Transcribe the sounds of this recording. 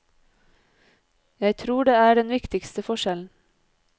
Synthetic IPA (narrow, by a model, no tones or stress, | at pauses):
jæɪt̪ʰɾuːɖeːæːɖɛnʋɪkt̪ɪkst̪əfɔʃɛln̩